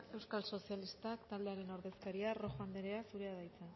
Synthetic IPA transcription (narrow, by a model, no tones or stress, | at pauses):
e̞wskalso̞sialist̪akt̪ald̪eaɾe̞no̞ɾðe̞skaɾiaro̞xoand̪eɾeasuɾeaðajt͡san